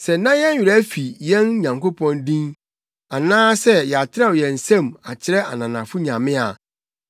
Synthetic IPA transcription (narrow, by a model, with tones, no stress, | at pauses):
sɛ˨nã˦jɛ̃˦n˦ɥɪ˨ɾæ˦fi˨jɛ̃˦n˦ɲã˨ŋko˦pʰɔ̃˦ndĩ˦n | a˨nãː˦sɛ˦jɛ˨a˨tʰɪ˦ɾɛ˦wjɛ̃˨n̩˨sɛ̃˦˨ma˨t͡ɕʰɪ˦ɾɛ˦a˨nã˨nã̰˨fʊ˦ɲã˨mɪ̃˦a̰˨